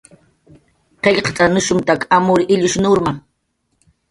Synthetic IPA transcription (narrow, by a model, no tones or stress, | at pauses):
qeʎqt̪ʼanʊʃʊmt̪akamʊɾɪʔɪʎʊʃnʊɾma